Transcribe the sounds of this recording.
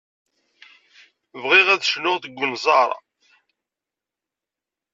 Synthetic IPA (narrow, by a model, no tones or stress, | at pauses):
vʁiʁæðʃnʊʁθəɡʷːʊnzˤɑɾˤɑ̰